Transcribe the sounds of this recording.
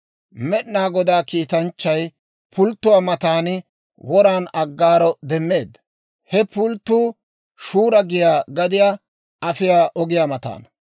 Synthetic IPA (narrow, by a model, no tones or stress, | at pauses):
mɛɗnaːɡɔd̪aːkiːt̪ɐnt͡ʃːɐj | pʰʊlt̪ːʊwaːmɐt̪aːnɪ | wɔɾaːnɐɡːaːɾɔd̪ɛmːe̞ːd̪ɐ | hɛpʊlt̪ːuː | ʃuːɾɐɡɪjaːɡɐd̪ɪjaː | ʔɐfɪjaːʔɔɡɪjaːmɐt̪a̰ːn